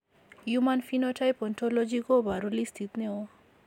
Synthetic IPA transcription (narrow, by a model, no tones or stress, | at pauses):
jumanfinoʈʰajpɔntʰɔlɔd͡ʒikobaɾulist̪ʰit̪neo